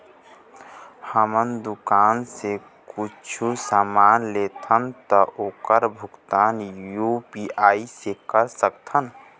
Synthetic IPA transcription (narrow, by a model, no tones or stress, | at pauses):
həmənd̪ʊkaːnse | kʊt͡ʃʰusaːmaːnleːt̪ʰənt̪ɔʔoːkəɾbʱʊɡt̪aːnjupiaːisekəɾsəkt̪ʰən